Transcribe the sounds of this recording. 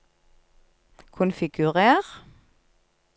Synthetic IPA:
kʰʊnfɪɡʉʁeːʁ

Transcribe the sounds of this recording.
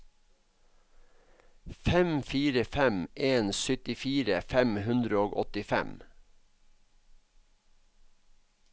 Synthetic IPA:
fɛmfiːɾəfɛmʔeːnsʏt̪ɪfiːɾəfɛmhʉnd̪ɾəoːɡɔt̪ɪfɛ̰m

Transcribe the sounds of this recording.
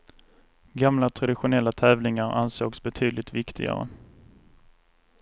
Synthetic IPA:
ɡamlat̪ʰɾad̪ɪɧʊnɛlːat̪ʰɛːvlɪŋaɾa̰nso̰ːɡsbɛt̪ʰyːd̪lɪt̪vɪkt̪ʰɪ̰ɡa̰ɾə̰

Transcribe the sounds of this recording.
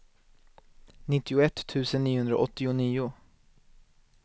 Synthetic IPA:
nɪt̪ːɪʊɛt̪ʰːʉ̟ːsənːiːʊhɵnd̪ɾa̰ʔɔt̪ːɪʊniːʊ

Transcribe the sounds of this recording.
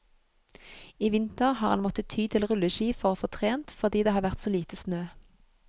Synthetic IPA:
iːʋɪnt̪əʁhɑːʁɑnmɔt̪ət̪ʰyːt̪ʰɪlʁʉləʃiːfɔʁoːfɔt̪ʰʁeːnt̪fɔʁd̪iːd̪eːhɑːʁʋæʁt̪soːliːt̪əsnøː

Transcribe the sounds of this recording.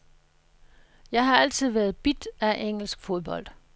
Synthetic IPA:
jɑ̈ɪɦɑ̈æl̰t͡sʰið̞̰ˠʋæɐð̞̩ˠb̥id̥æʔeŋ̰l̩sɡ̥fo̝ð̞ˠb̥ɒ̽l̰d̥

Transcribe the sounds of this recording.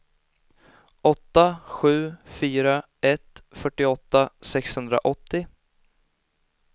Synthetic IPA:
ʔɔt̪ːaɧʉ̟ːfyːɾa | ɛt̪fœʈːɪɔt̪ːasɛkshɵnd̪ɾa̰ʔɔt̪ːɪ

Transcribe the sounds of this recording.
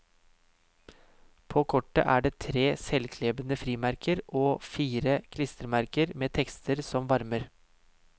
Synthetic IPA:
pʰoːkʰɔʈːə̰ʔæːɖeːt̪ʰɾeːsɛlkʰleːbənəfɾiːmæɾkʰəɾʔoːfiːɾəkʰlɪst̪əɾmæɾkəɾmeːt̪ʰɛkst̪ʰəɾsɔmʋɑɾməɾ

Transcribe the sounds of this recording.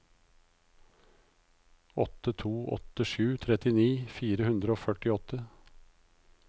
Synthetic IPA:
ɔt̪ət̪ʰuːʔɔ̰t̪əʃʉːt̪ʰɾɛt̪ɪniːfiːɾəhʉnd̪ɾəoːfœʈɪɔt̪ə

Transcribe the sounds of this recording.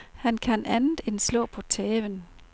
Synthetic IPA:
hænkʰænænð̩ˠenslɔ̰̽ːpʰɒ̽t͡sʰɛːʋən

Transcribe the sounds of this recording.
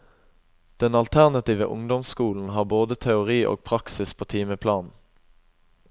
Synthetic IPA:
d̪̥ɛnɑlt̪ʰæʁnɑt̪iːʋəʔʊ̰ŋd̪ɔmskuːln̩ɦɑːʁboːd̪ət̪ʰɛʊʁiːʔo̰ːɡ̚pʰʁɑksɪspʰoːt̪ʰiːməpʰlɑːnn̩

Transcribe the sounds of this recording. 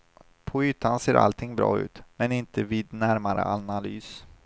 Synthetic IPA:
pʰɔyːt̪ʰːanseːɾʔa̰lt̪ʰɪŋbɾɑ̰ːʉ̟̰ːt̪mɛnɪnt̪əviːd̪næɾmaɾə̰ʔanalyːs

